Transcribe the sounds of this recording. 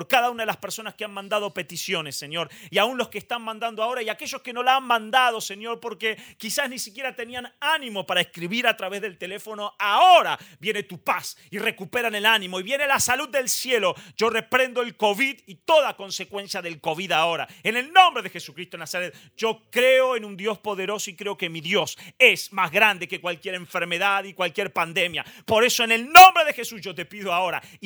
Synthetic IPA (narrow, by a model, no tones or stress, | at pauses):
poɾkaðaunaðelaspe̞ɾso̞naskeanmãnd̪aðo̞pe̞t̪isjo̞nesːe̞ɲo̞ɾiaunlo̞skeːst̪anmãnd̪and̪oao̞ɾaiake̞ʒo̞skeno̞laanmãnd̪aðo̞se̞ɲo̞ɾpo̞ɾkekisaznisikje̞ɾat̪eniananĩmo̞paɾaeskɾiβiɾat̪ɾaβe̞zðe̞lt̪e̞le̞fo̞no̞aoɾaβje̞net̪upasire̞kupe̞ɾanelanĩmo̞iβje̞nelasalud̪̚ːe̞lsje̞lo̞ʒ̥o̞repɾẽ̞nd̪oelko̞βiðit̪o̞ðako̞nse̞kwẽ̞nsjaðe̞lko̞βiðao̞ɾaene̞lnõ̞mbɾeðe̞xesu̥kɾist̪onasaɾet̪̚ | ʒ̥o̞kɾeoenũnd̪jo̞spo̞ðe̞ɾo̞soikɾeoke̞miðjo̞sesmazɣɾand̪e̞ke̞kwalkje̞ɾe̞ɱfeɾme̞ðaðikwalkjeɾpand̪e̞mja̰po̞ɾe̞soene̞lnõmbɾe̞ðe̞xe̞susʒ̥ot̪e̞piðoao̞ɾa̰